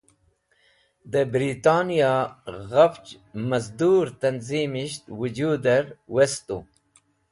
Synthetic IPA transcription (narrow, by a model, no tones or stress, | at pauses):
d̪əbɾit̪aːnijɑɣɐft͡ʃmɐzd̪uːɾt̪ɐnziːmiʃt̪wud͡ʒuːd̪ɐɾwest̪ṵ